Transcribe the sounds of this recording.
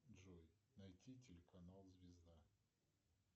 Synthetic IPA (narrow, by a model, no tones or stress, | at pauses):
ʐojnɐjtʲitʲɪlʲɪkɐnalˠzvʲɪzd̪a